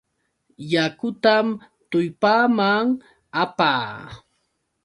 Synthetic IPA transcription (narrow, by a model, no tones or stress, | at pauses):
jakʊt̪am | t̪ʊjpaːmaŋ | apa̰ː